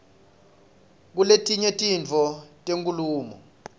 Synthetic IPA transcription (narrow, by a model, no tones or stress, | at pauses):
k̬uletʼiɲetʼint͡fɔtʼeŋkʼuluːmɔ̰